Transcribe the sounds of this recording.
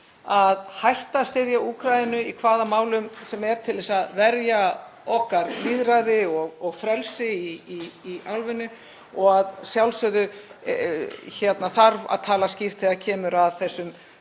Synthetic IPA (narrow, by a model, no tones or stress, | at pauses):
aðhajht̪ast̪ɪðjauːkʰɾajɪnʏikʰvaːðamaːwlʏmsɛmɛɾ̥t̪ʰɪlðɛsaðvɛɾja | ɔhkaɾniðɾajðɪɔɣɔɣfɾɛlsɪiiːalvɪnʏ | ɔɣaðsjawlsœðʏ | çɛt̪naθaɾva̰ðt̪ʰaːlascir̥t̪θɛɣacʰɛːmʏɾaðθɛsːʏm